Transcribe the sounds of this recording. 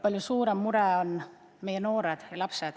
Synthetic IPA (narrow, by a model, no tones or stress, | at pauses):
pɑlʲjusuːɾemmuɾɛon | me̞jeno̞ːɾed̪̥jɑlɑpsed̪̥